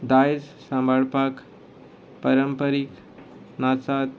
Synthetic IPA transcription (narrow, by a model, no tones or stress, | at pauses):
d̪ajd͡zsãmbʱaɽpak | pəɾəmpəɾik | nat͡sat̪